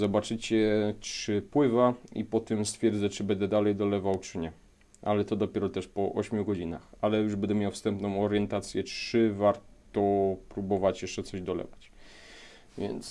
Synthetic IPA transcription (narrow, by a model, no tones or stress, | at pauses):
zɔbat͡ʂɘt͡ɕɛtʂɘpwɘvaḭpɔt̪ɛmst̪fʲjɛɾd̪zɛt͡ʂɨbɛnd̪ɛd̪alɛjd̪ɔlɛvawt͡ʂɘɲɛ | alɛt̪ɔd̪ɔpʲjɛɾɔt̪ɛʂpɔʔɔɕmʲjuɡɔd͡ʑina̰xalɛjuʐbɛnd̪ɛmʲjawfst̪ɛmpnɔ̃w̃ɔɾjɛnt̪at̪sʲjɛtʂɘvaɾt̪ɔpɾubɔvat͡ɕjɛʂt͡ʂɛt̪sɔʑd̪ɔlɛ̰vat͡ɕ | vʲjɛ̰nt̪s